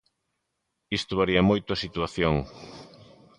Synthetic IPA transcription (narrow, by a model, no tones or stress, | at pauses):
ist̪oβaɾiɐmojt̪ʊɐsit̪uaθjoŋ